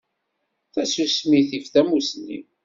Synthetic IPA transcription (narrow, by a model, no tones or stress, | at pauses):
θæsusmiθifθæmusnḭ